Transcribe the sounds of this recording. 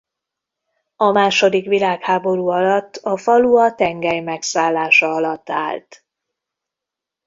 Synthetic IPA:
ɒmaːʃo̞d̪ikʋilaːkhaːbo̞ɾuːɒlɒt̪ːɒfɒluɒt̪ɛŋɡɛjmɛksaːlːaːʃɒɒlɒt̪ːa̰ːlt̪

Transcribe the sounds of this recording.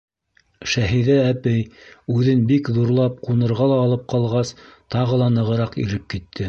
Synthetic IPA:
ʃæɦiðæːpɘjʉðɘnbikðuɾlˠɑp̚qunɤ̆ɾʁɑlˠɑːlˠɤp̚qɑlˠʁɑst̪ɑʁɤ̆lˠɑnɤ̆ʁɤ̆ɾɑqḭɾɘp̚kit̪ʰːɘ

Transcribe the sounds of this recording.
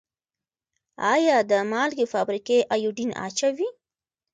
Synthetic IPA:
ɑjɑd̪əmɑlɡefɑbɾikeʔajuɖinɑ̰t͡ʃawi

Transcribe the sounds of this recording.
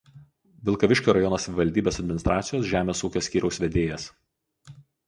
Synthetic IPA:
ʋʲɪlˠkɐʋʲɪʃʲkʲoːɾɐjɔnoːsɐʋʲɪʋɐlʲd̪ʲiːbʲeːsɐd̪ʲmʲɪnʲɪst̪ɾʔɑːt̪sʲɪjoːsʒʲæːmʲeːsuːkʲoːsʲkʲiːɾʲɛʊsʲʋʲɛd̪ʲeːjɛs

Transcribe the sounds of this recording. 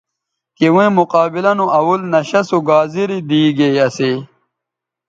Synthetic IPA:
kiwẽmuqaːbilɐnuʔɐwulnɐɕɐsuɡaːziɾid̪iːɡeɐseː

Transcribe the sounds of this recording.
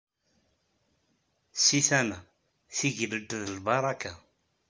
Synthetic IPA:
siθænæ | θiʝləd̪ðəlbɑɾˤɑka

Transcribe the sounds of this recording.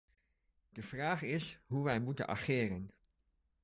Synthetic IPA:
d̥əvraːχɪsɦuʋɛjmutə̰nɑ̰χɪːrən

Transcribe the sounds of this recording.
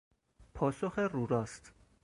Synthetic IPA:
pʰɒːsoxeruːɾɒːst̪

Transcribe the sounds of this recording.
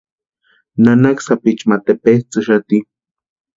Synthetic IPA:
nanaksapit͡ʃmat̪epet͡sɨʃat̪i

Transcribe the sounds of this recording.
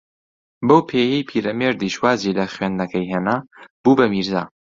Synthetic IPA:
bɐwpʰeːjɛjpʰiːɾɐmeɾd̪iʃwaːzilɐχwɥend̪nɐkɐjɦeːnaːb̥uːbɐmiɾza̰ː

